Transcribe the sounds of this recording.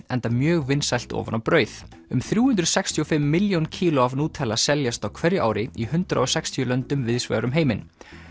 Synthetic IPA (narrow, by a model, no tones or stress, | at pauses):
ɛnt̪amjœːɣvɪnsajl̥t̪ɔ̰ːva̰nawpɾœːɥθ | ʏmθɾjuːhʏnt̪ɾʏðsɛkst̪ʰiɔfɪmːɪljowncʰiːlɔavnuːt̪ʰɛːlasɛljast̪awkʰvɛɾjɪʔa̰ːwɾɪihʏnt̪ɾa̰ɔsɛkst̪ʰijʏlœnt̪ʏmvɪðsvɛ̰ːɾʏmɦeːjmɪn